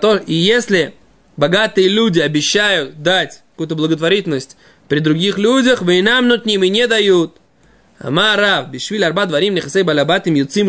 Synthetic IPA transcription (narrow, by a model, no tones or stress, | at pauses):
t̪oijesʲlʲɪ | bɐɡat̪ɨjəlʲudʲɪɐbʲɪɕːajʊt̪̚d̪atʲkɐkujut̪əblˠəɡət̪vɐɾʲitʲɪlnəsʲtʲ | pɾʲɪd̪ɾʊɡʲixlʲudʲəxvɨnamnut̪nʲimɪnʲed̪ɐjut̪ | a̰maɾavbʲɪʂvʲilʲɐrbad̪vɐɾʲimnʲɪxasejbalʲabat̪ɨmjot̪sim